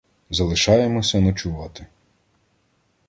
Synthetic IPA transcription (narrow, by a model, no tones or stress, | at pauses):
zɐlˠɪʃɑjemɔsʲɐnɔt͡ʃʊʋɑt̪ɪ